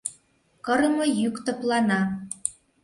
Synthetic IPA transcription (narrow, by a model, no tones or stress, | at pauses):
kɤɾɤmojykt̪ɤ̆plɑnɑ